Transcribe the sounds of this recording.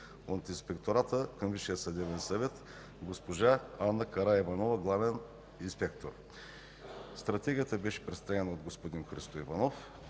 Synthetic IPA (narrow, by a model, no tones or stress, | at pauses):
ont̪inspɛkt̪oɾat̪əkəmviʃijət̪sɐd̪ɛvɛnsɐvɛt̪ | ɡospoʒaanːɐkɐɾaɛvɐnovɐɡlˠavɛn | inspɛkt̪oɾ | st̪ɾɐt̪ɛɡʲiət̪əbɛʃɛ̥pɾɛst̪ɾaɡɛnəod̪ɡospod̪inxɾist̪oivanof